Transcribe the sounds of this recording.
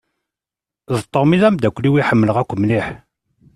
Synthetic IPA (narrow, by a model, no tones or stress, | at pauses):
zət̪ˤːoɾmiðæmd̪ækʷːliwiħəmːələʁækʷːəmliħ